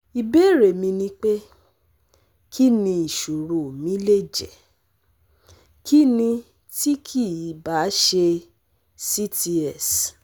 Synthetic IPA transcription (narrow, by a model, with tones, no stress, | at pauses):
i˨be˦˨ɾe˨mĩ˧nĩ˧k͡pe˦ | kʰi˦nĩ˧i˨ʃu˨ɾu˨mĩ˦le˦˨d͡ʒɛ̰˨ | kʰi˦nĩ˧ | ti˦kʰi˦˨i˨˦ba˨˦ʃe˧ | si˦ti˧ɛ˦˨s